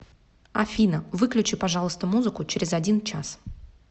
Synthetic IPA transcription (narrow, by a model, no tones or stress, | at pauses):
ɐfʲinəvɨklʲʉt͡ɕipɐʐɑlˠəst̪əmuzɨkʊt͡ɕɪɾʲɪzɐdʲint͡ɕas